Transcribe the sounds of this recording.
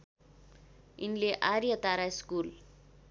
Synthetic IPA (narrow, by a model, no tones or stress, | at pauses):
inleʔaɾjʌt̪aɾaskul